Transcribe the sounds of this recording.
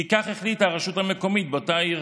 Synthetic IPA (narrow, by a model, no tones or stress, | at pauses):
ikaχeχlit̪aʁaʃuthame̞ko̞mit̚botaiʁ